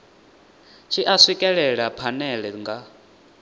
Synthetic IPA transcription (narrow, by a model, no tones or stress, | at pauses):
t͡ʃʰiʔaswikʼɛɺɛɺapʰanɛɺɛŋɡa